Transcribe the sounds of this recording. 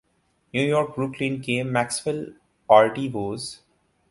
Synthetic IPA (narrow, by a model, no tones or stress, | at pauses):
njuːjɔːɾk̚bɾuklĩnkẽːmːæksʋɪl | paːɾʈiʋoːz